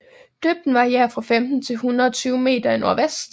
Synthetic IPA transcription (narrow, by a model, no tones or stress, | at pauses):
d̥øːb̥̚d̥n̩ʋɑ̈iæɐ̰fʁɑ̈femd̥n̩t͡sʰe̝lhunʁɐɒt͡sʰyːʊme̝̰ːd̥ɐinoɐ̰ʋesdd̥